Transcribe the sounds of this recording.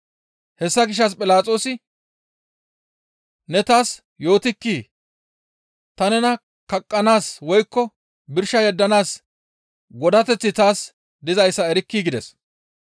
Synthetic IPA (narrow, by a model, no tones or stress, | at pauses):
hɛsːɐɡɪʃɐspʼɪlaːt͡sʼo̞ːsɪ | nɛt̪aːs | jo̞ːt̪ɪkːiː | t̪ɐnɛnɐ | kɐkʼːɐnaːswɔjkːɔ | bɪɾʃɐjɛd̪ːɐnaːs | ɡɔd̪ɐt̪ɛt͡sːɪt̪aːs | d̪ɪzɐjsːɐɛɾɪkːiːɡɪd̪ɛs